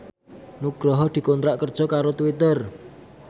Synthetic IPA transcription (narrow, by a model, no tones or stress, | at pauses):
nuɡ̥ɾɔɦɔd̪̥i̤kont̪ɾaʔkərd̥ʒ̥ɔ̤kaɾot̪uwit̪ər